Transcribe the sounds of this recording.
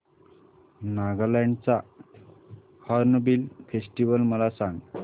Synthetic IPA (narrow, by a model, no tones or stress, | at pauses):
naɡalaɳɖt͡sa | haɾnəbilfesʈiʋəlməlasãŋɡ